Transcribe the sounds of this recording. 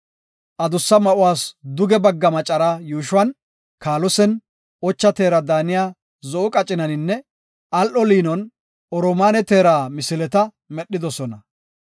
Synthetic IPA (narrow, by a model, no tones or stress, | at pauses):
ʔɐd̪ʊsːɐmɐʔʊwaːsd̪ʊɡɛbɐɡːɐmɐt͡ʃʼɐɾaːjuːʃʊwɐn | kaːlɔsɛn | ɔt͡ʃːɐt̪e̞ːɾɐd̪aːnɪjaː | zɔʔʊkʼɐt͡ʃʼːɪnɐnɪnːɛ | ʔɐlʔɔliːnɔn | ɔɾɔmaːnɛt̪eːɾaːmɪsɪlɛt̪ɐ | mɛɗːɪd̪ɔsɔnɐ